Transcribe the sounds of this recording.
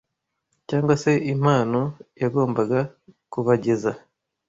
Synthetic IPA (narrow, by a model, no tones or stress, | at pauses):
caːŋɡwase̞im̥aːno̞jaɡo̞ːmbaɡakuβaɟe̞za